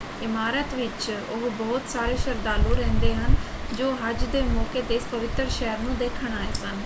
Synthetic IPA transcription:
ɪmaːɾət̪ʋɪt͡ʃʊɦbɔːʊt̪saːɾeːʃəɾd̪aːloːɾɛ̃ːnd̪eːɦən | d͡ʒoːɦəd͡ʒd̪eːmɔːkeːt̪eːɪspəʋɪt̪ːəɾʃɛɦəɾnũːd̪eːkʰəɽ̃aːeːsən

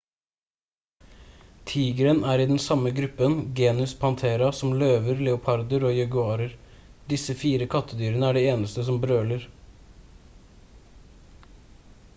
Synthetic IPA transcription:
t̪ʰiːɡəɾənæːɾiːd̪ɛnsɑməɡɾʉpənɡeːnʉspʰɑnt̪ʰeːɾɑsɔmløːʋəɾlɛʊpʰɑɾd̪əɾoːjɛɡʉɑːɾəɾ | d̪ɪsəfiːɾəkʰɑt̪ʰːəd̪yːɾənəæːɖɛːeːnəst̪əsɔmbɾøːləɾ

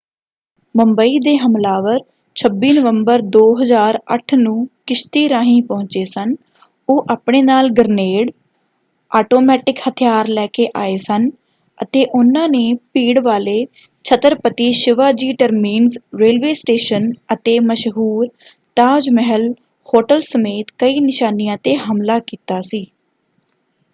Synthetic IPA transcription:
məmbəiːd̪eːɦəmlaːʋəɾ | t͡ʃʰəbːiːnəʋəmbəɾd̪oːɦəzaːɾə̰ʈʰnũːkɪʃt̪iːɾãːɦĩːpɔ̃ːɲt͡ʃeːsən | oːʔaːpɳeːnaːlɡəɾneːɽ | ʔaːʈoːmɛːʈɪkhət̪ʰjaːɾlɛːkeːʔaːeːsən | ət̪eːʔʊnãːneːpiːɽʋaːleː | t͡ʃʰət̪əɾpət̪iːʃɪʋaːd͡ʒiːʈəɾmiːnzɾeːlʋeːsʈeːʃənət̪eːməʃɦuːɾ | t̪aːd͡ʒmɛɦəl | hoːʈəlsəmeːt̪kəiːnɪʃaːnijãːt̪eːɦəmlaːkiːt̪aːsiː

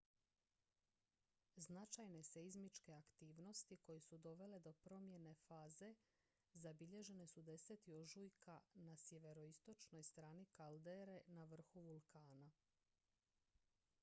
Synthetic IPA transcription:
znat͡ʃajne̞se̞izmit͡ʃke̞akt̪iːʋno̞st̪iko̞je̞sud̪o̞ʋe̞le̞d̪o̞pɾo̞mje̞ne̞faːze̞ | zabiʎe̞ʒe̞ne̞sud̪e̞set̪io̞ʒujkʰanasjeʋe̞ɾo̞ist̪o̞t͡ʃno̞jst̪ɾaːnikald̪eɾe̞naʋr̩xuʋulˠkʰaːna

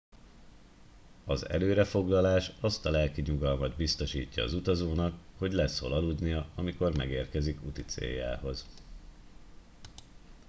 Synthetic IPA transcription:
ɒzɛ̰løːɾɛfo̞ɡlɒlaːʃɒst̪ɒlɛlkiɲuɡɒlmɒd̪bist̪o̞ʃiːcːɒːzut̪ɒzoːnɒkho̞ɟlɛso̞̰lɒlud̪nijɒɒmiko̞rmɛɡeːrkɛzikut̪it̪sḛːjːa̰ːɦo̞z

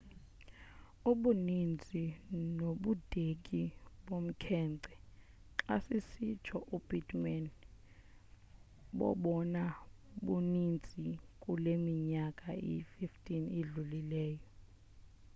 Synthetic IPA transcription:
uɓunind͡zʱinoɓud̥ʱek̬ʼiɓom̩kʰɛːnǀɛ | ǁa̰sisi̥t͡ʃʰɔʔub̥itmɛn | ɓɔ̰ɓɔna | ɓunind͡zʱikʼulemiɲakʼaḭfiftʼiniɮulilɛːjɔ

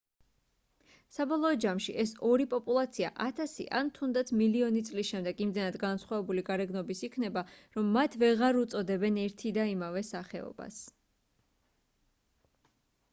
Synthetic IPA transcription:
sabɔlˠɔːd͡ʒamʃiʔɛsɔɾipʼɔpʼulˠat̪sʰia̰ʔat̪ʰasḭʔa̰nt̪ʰund̪at̪sʰmiliɔnit̪sʼlisʃɛmd̪ɛɡimd̪ɛnad̪ɡansχwavɛbuliɡaɾɛɡnɔbisikʰnɛbaɾɔmːat̪ʰvɛʁaɾut̪sʼɔd̪ɛbɛnɛɾt̪ʰid̪aimavɛsaχɛɔ̰ba̰s

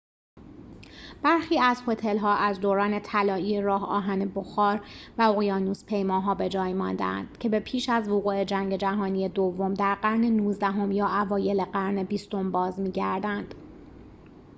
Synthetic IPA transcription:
b̥æɾxiːæzho̞t̪ʰe̞lɦɒːʔæzd̪oːɾɒːne̞t̪ʰælɒːiːeɾɒːɦɒːɦænebo̞xɒːɾvæoɣijɒːnuːspʰe̞jmɒːɦɒːbe̞d͡ʒɒːjmɒnd̪æ̰æ̰nd̪̥cʰe̞be̞pʰiːʃæzvoɣuːe̞d͡ʒæŋɟe̞d͡ʒæɦɒːniːje̞d̪ovːo̞md̪æɾɢæɾne̞nuːzd̪æɦo̞mjɒːʔævɒːje̞leɢæɾnebiːst̪o̞mbɒːzmiːɟæɾd̪ænd̪̥

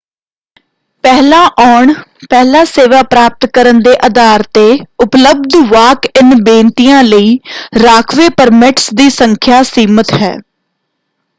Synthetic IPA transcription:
pɛɦlaːʔaːɳpɛːlaːseːʋaːpɾaːp̚t̪kəɾənd̪eːʔəd̪aːɾt̪eːʊpləb̚d̪ʋaːkɪnbẽːnt̪ijãːləiːɾaːkʰʋeːpəɾmɪʈsd̪iːsəŋkʰjaːsiːmət̪ɦɛ̰ː

